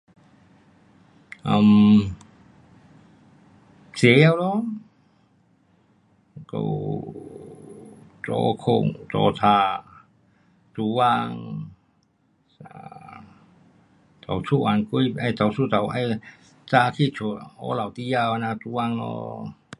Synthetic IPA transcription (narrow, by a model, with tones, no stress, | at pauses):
ʔa˧m | si˨˦ja˧˨wlɔ˧˥ | ko̰˧w | tɔ̰˧kʰo˧ŋt̪ɔ̰˧t̪ʰaː˧˩ | t̪u˧wa˧ŋ | a | t̪a˨˩wsʰu˧ʔa˨nku˧˥˨ja˧˩jt̪a˨wsu˥˧˨t̪a˨˩wʔa˧j | t͡saː˧kʰi˧˨t͡ʃʰu˨ɔ˧˦la˨wt̪i˧ja˧wa˧na˧t̪u˧˦wa˧ŋnɔ̰˧